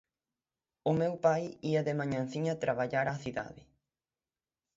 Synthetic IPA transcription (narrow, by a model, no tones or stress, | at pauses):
ʊmewpajiɐðɪmaɲãnθiɲat̪ɾʔaβaʎaɾaθiða̰ðɪ